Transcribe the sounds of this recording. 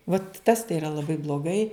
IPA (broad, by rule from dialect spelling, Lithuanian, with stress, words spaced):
ʋɐt tɐs tɐɪ ɪˈrɐ lˠɐˈbɐɪ blˠoːˈɡɐɪ